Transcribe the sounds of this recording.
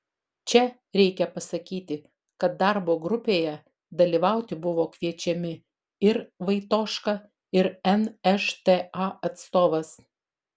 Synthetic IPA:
t͡ʃʲɛ | ɾʲɛɪkʲɛpɐsɐkʲiːt̪ʲɪ | kɐt̪̚d̪ɑˑɾboːɡɾʊpʲeːjɛ | d̪ɐlʲiʋɑˑʊt̪ʲɪbʊʋoːkʋʲiɛt͡ʃʲɛmʲɪ | ɪɾʋɐɪt̪oːʃkɐ | ɪɾɛnɛʃt̪eɐɐt̪st̪oːʋɐs

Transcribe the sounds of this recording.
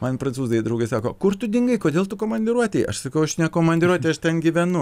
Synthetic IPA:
mɐnpɾɐnsuːzɐjd̪ɾɐʊɡɐɪsɑːkoːkʊrt̪ʊd̪ʲɪŋɡɐɪkoːd̪ʲeːlˠt̪ʊkoːmɐnʲd̪ʲɪɾuɔt̪ʲɛɪʔɐ̰ʃsɐkɐʊɐʃnʲɛkoːmɐnʲd̪ʲɪɾuɔt̪ʲɛɪɐʃt̪ʲɛnɡʲiʋʲɛnʊ

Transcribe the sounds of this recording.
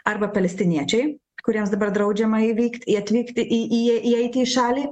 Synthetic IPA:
ɐɾbɐpɐlʲɛsʲt̪ʲɪnʲiɛt͡ʃʲɛɪ | kʊɾʲiɛmsd̪ɐbɐɾd̪ɾɐʊd͡ʒʲɛmɐiʋʲiːkt̪ʲɪɐt̪ʲʋʲiːkt̪ʲɪʔiʔiʔiɛɪt̪ʲiːʃɑːlʲiː

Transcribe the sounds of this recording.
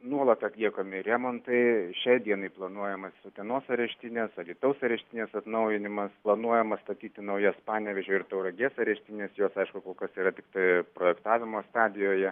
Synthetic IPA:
nuɔlˠɐt̪ɐt̪ʲlʲiɛkoːmʲɪɾʲɛmont̪ɐɪʃʲɛɪd̪ʲiɛnɐɪplˠɐnuɔjɛmɐssot̪ʲɛnoːsɐɾʲɛʃʲt̪ʲɪnʲeːsɐlʲiːt̪ɐʊsɐɾʲɛʃʲt̪ʲɪnʲeːsɐt̪nɐʊjɪnʲɪmɐsplˠɐnuɔjɛmɐst̪ɐt̪ʲiːt̪ʲɪnɐʊjɛspɑːnʲɛʋʲɛʒʲoːɪrt̪ɐʊɾɐɡʲeːsɐɾʲɛʃʲt̪ʲɪnʲeːsjoːsɐɪʃkʊkoːkɐsiːɾɐt̪ʲɪkt̪ɐɪpɾoːjɛkt̪ɑːʋʲɪmoːst̪ɑːd̪ʲɪjoːjɛ

